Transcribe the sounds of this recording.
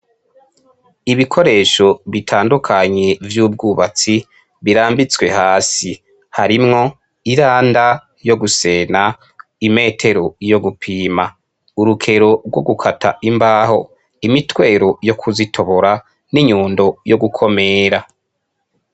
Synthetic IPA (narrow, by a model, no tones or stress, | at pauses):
iβikʰo̞ɾe̞ːʃo̞βitʰaːndukʰaɲe̞vjuːb̚ɡuːβat͡si | βiɾaːmbit͡swe̞haːsi | haɾimŋo̞ | iɾaːnda | jo̞ɡuse̞na | ime̞ːtʰe̞ɾo̞jo̞ɡupʰiːma | uɾukʰe̞ɾo̞ɾɡwo̞ɡukʰatʰa̰imbaːho̞̰ | imitwe̞ːɾo̞jo̞kʰuzitʰo̞βoɾa | niɲuːndo̞joɡukʰo̞me̞ːɾa